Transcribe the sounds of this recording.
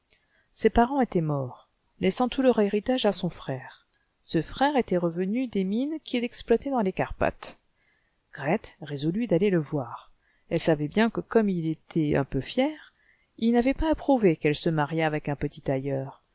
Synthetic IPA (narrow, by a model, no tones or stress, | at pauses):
sepaʁɑ̃et̪ɛmɔʁ | lʔɛsɑ̃t̪ʰuləʁeʁit̪aʒasɔ̃fχɛːʁ | səfχɛʁet̪ɛʁəvənyd̪eminkʲilɛksplwat̪ɛd̪ɑ̃lekaʁpa̰t̪ | ɡ̥ʁɛt̪ʁezɔlyd̪aleləvwaːʁ | ɛlsavɛbjɛ̃kəkɔmilet̪ʰɛɛ̰̃pøfjɛʁ | ilnavɛpaːpχuvekɛlsəmaʁjaːvɛkɛ̃pət̪it̪ajœːʁ